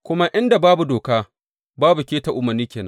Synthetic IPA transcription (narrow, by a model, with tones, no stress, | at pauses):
kʷʊ˦ma˦ʔɪ˦nda˨baː˦bu˨doː˨kaː˦ | baː˦bu˨kʲeː˦ta˨ʔʊ˨mɐ˨rniː˦kʲeː˨nɐ̰˦